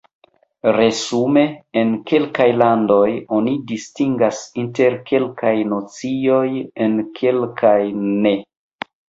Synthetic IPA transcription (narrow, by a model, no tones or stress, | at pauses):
ɾe̞zume̞enke̞lkajlando̞jo̞nidistiŋɡasinte̞ɾkʰe̞lkajnot͡sio̞jenkʰe̞lkʰajne̞